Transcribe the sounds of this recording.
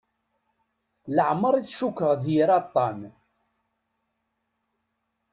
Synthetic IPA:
ləʕməɾˤiθʃukːəʁðjɾɑt̪ˤːɑn

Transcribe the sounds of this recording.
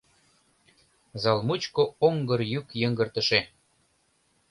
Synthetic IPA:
zɑlmut͡ɕkooŋɡɤ̆rjykjə̆ŋɡə̆rt̪ə̆ʃe

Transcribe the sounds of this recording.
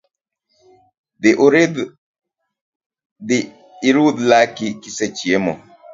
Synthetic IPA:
d̪eʔoɾed̪ | d̪i | iɾud̪lakikiset͡ʃiɛmɔ

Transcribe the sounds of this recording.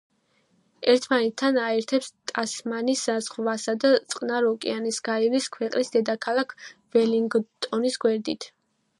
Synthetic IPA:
ɛɾt̪ʰmanɛt̪ʰːanaɛɾt̪ʰɛpst̪ʼasmanisazʁvasad̪at̪sʼqʼnaɾɔkʼḭanisɡ̥aiɾiskʰwɛqʼnisd̪ɛd̪akʰalˠakʰvɛliŋɡt̪ʼɔnisɡwɛɾd̪it̪ʰ

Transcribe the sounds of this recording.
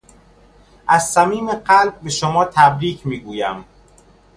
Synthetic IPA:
ʔæzsæmiːmeɢælb̚ːe̞ʃomɒːt̪ʰæbɾiːcʰmiːɡuːjæm

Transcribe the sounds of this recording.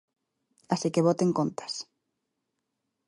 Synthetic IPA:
asikeβot̪eŋkont̪ʰḁs

